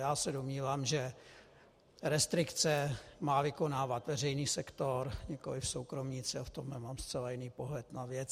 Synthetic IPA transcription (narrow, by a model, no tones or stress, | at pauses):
jaːsɛdomɲiːvaːmʒɛ | ɾɛst̪ɾɪkt͡sɛmaːvɪko̞naːvat̪vɛrɛjniːsɛkt̪oɾɲɪkolɪfsowkɾo̞mɲiːt͡sɪaft̪omɛmaːmst̪t͡sɛlajɪniːpoɦlɛt̪navjɛt͡s